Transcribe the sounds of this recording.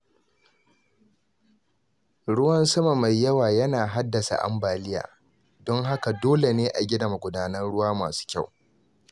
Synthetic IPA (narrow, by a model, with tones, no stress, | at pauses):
ɽʊ˦wɐ˦nsɐ˦ma˨ma˨jːɐ˦waː˨jɐ˦naː˨ɦa˦dːɐ˨sa̰˨ʔa̰˦mbaː˨lɪ˦ja̰ː˨ | dɔ˦ŋɦa˦ka˨doː˦le˨neː˦ʔa˨ɡʲɪ˦dɐ˨ma˨ɡʷʊ˦daː˦nɐ˦nɽʊ˦waː˦ma̰ː˨su̥ː˦kʲa˦˨w